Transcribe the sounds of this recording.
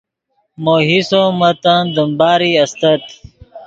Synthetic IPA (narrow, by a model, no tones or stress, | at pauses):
moːɦisomɐt̪ãnd̪əmbaːɾiːɐst̪ɐt̪